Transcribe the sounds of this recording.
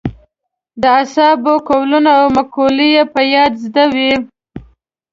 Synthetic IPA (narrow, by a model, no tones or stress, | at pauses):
d̪əasɑbokowlunaːwmakʰolijepəjɑd̪zd̪awi